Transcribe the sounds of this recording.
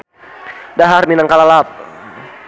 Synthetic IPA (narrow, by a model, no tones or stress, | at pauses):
daɦarminaŋkalalap̚